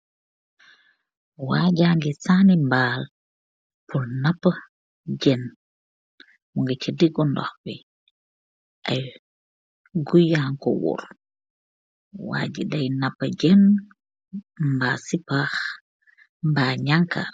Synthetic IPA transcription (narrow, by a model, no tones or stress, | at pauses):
waɟaːŋɡisanimbaːl | pulnapːa | d͡ʒɛn | muŋɡat͡ʃadiɡɔndɔ̰xbi | ʔaj | ɡujaŋkɔwṵɾ | wa̰ːɟidajnapːad͡ʒɛn | mbasipax | mbaɲaŋka̰